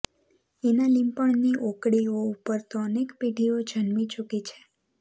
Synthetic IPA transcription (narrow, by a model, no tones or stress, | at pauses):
enalĩmpəɳniʔokɽioupəɾt̪oːnekpiʈiod͡ʒʱənmit͡ʃukit͡ʃʰe̥